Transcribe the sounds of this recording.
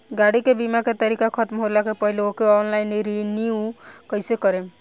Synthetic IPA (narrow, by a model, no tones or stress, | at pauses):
ɡaɽikebimaket̪əɾikakʰət̪mɦolakepəɦileokeɔnlaɪnɾiniukəɪsekəɾe